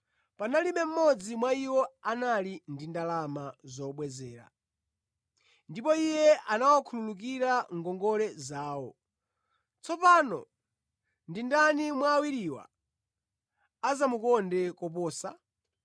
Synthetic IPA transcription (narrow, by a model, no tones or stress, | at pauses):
panalimɛm̩mɔd͡zimwaiwɔanalindindalamazɔɓwɛzɛːɾa̰ | ndipɔijɛanawɔkʰululuk̬iɾaŋɡɔŋɡɔɾɛzaːwɔ | t͡sʰɔpanɔ̰ | ndindanimwaːwiɾiwa̰ | azamukɔndɛkɔpɔːsa